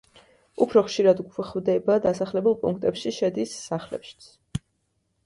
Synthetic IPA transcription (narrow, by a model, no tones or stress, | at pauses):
upʰɾɔχʃiɾad̪ɡχvd̪ɛbad̪asaχlɛbulˠpʼṵŋk̚ʰt̪ʼɛpʃiʃɛd̪isːaχlɛ̰pʃi̥t̪sʰ